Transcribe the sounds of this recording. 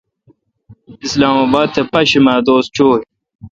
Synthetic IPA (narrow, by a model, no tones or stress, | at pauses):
islaːmaːbaːd̪̚t̪ʰːɐpɐɕimaːd̪oːst͡ɕoːi